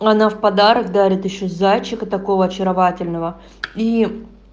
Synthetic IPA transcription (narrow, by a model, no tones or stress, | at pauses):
ɐnafpɐd̪aɾəkd̪aɾʲɪt̪ɪɕːozat͡ɕːɪkət̪ɐko̞vəɐt͡ɕɪɾɐvatʲɪlʲnəvə | i